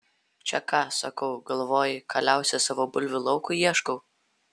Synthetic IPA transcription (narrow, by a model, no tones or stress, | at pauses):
t͡ʃʲɛkɑːsɐ̰kɐʊɡɐlˠʋoːjɪkɑlʲæˑʊsʲɛsɑːʋoːbʊlʲʋʲʊlˠɒʊkʊiɛʃkɔʊ